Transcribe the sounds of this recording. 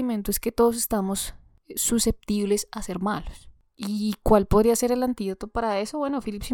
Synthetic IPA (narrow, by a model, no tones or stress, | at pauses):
iment̪oeske̞t̪o̞ðos̬e̞̥st̪amosː | use̞p̚t̪iβle̞sase̞ɾmalos | ikwalpo̞ðɾiase̞ɾe̞lant̪iðot̪o̞paɾae̞soβwe̞no̞filipsi